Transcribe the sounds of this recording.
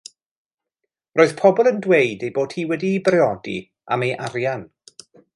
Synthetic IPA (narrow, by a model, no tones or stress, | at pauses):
rʔoːɨð̥pʰɔbɔlˠəndwejdejboːd̥hiːwɛdiːbrɛɔdḭ | a̰mejʔaɾjan